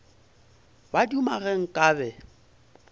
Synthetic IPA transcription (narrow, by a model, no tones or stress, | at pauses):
badumaɣɛŋ̩kʼaːbɛ